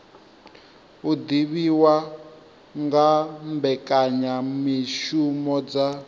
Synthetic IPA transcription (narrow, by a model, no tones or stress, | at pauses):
ud̪iβiwa | ŋɡambɛkʼaɲamiʃumɔd͡za